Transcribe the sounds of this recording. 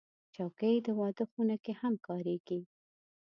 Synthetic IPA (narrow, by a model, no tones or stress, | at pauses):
t͡ʃɑkəjd̪əwɑd̪əxunakehamkɑɾeɡ̥i